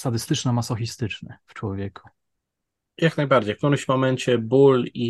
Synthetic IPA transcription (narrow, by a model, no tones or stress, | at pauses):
sad̪ɘst̪ɘt͡ʂnamasɔxist̪ɘt͡ʂnɛ̰ft͡ʂwɔvʲjɛkʰu̥ | jaknajbaɾd͡ʑejfkt̪uɾɪmɕmɔmɛɲt͡ɕɛbuli